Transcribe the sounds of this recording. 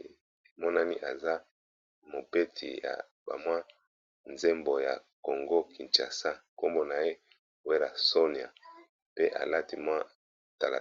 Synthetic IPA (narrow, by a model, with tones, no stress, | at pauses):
mɔ˦na˦ni˦ʔa˨za˦ | mo˨be˦tʰḭ˨ja̰˨ | ba̰˨mwa˦ | nze˦mbo˨ja̰˨ | ko˨ŋɡo˦kʰi˨nt͡ʃa̰˨sa˦ko˦mbo˦na˨je˦˨ | we˦la˨so˦ni˨a̰˨ | pe˦ʔa̰˨la˦ti˦mwa˦˨ | ta˨la̰˨